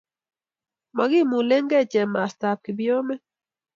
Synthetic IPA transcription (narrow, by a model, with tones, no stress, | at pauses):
ma˨ɡɪ˦˨mu˨le˦ŋɡɛ˦˨t͡ʃɛ˨mːa˨sta˨p̚kɪ˨bjo˦mɛ˦